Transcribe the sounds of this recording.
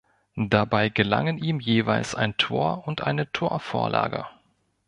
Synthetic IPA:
d̥abaɪɡəla̰ŋəniːmjeːvaɪlsa̰ɪntʰoːɐʊntʔaɪnətʰoːɐfoːɐlʔa̰ːɡə̰

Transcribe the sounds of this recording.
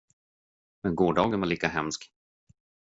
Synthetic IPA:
mɛnɡoːɖɑːɡənvaɭiːkaɦɛmsk

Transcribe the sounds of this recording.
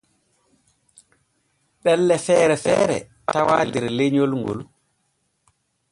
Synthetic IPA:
ɓɛlːɛfɛːɾɛfɛ̰ːɾɛ̰ | tawaːldɛɾleɲolŋɡo̰l

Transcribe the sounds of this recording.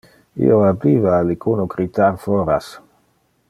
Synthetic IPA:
ḭoabiːvaːlikʰunoɡɾit̪aɾfoɾas

